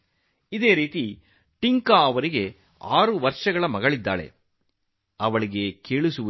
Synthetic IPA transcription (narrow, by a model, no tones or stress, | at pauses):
id̪e̞ːɾiːt̪i | ʈiŋkaːɐʋɐɾiɡe̞ | aːɾuʋɐɾʂɐɡɐɭɐmɐɡɐɭid̪ːa̰ːɭḛ | ɐʋɐɭiɡe̞keːɭusu